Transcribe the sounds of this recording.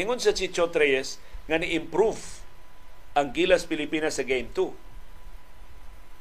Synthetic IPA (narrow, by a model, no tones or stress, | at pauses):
ɪŋʊnsɐt͡ʃit͡ʃot̪ɾɛjɛs | ŋɐnɪʔɪmpɾuv | ʔɐŋɡilɐspɪlɪpinɐsːɐɡejmt̪u